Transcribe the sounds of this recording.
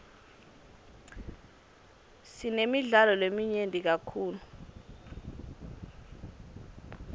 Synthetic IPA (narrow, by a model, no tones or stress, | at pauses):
sinemiɮalɔlemiɲendʼʱik̬akʰuːlu